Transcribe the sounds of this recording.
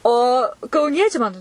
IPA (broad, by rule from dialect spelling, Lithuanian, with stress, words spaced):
oː kɐʊˈnʲiɛt͡ʃʲɛɪ mɐn